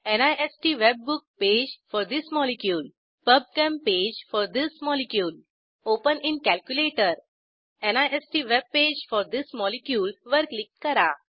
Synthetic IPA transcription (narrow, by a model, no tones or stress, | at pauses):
enajesʈiʋebːuk̚ped͡ʑfɔɾd̪ismɔlikjuːl | pəb̚kɛ̃mped͡ʑfɔɾd̪ismɔlikjuːl | opəninkælkjuleʈəɾ | enajesʈiʋeb̚ped͡ʑfɔɾd̪ismɔlikjuːlʋəɾklik̚ʈkəɾa